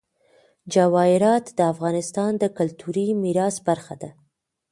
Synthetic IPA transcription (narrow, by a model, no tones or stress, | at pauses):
d͡ʒawɑɪɾɑt̪d̪əafɣɑnɪst̪ɑnd̪əkʊlt̪uɾimiɾɑsbaɾxad̪a